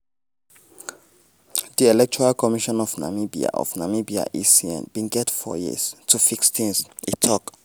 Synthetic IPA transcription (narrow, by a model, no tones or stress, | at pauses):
diɛlɛk̚t͡ʃɔɹalkʰɔmiʃɔ̃nɔvna̰mibḭa̰ʔɔ̰vnamibia̰ʔisiɛ̰̃nb̥ĩnɡɛtfɔ̰jḭz̥tʰufiksθĩŋsitʰɔk